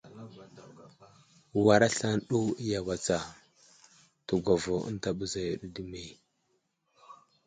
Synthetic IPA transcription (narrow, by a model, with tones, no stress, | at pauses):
wa˨ɾa˦ɬa˦nɗu˦ja˨wa˨t͡sa˨ | tu˨ɡʷa˨vo˨ə̰˦n˦ta˦ɓu˦za˨ju˨ɗu˦di˦me˨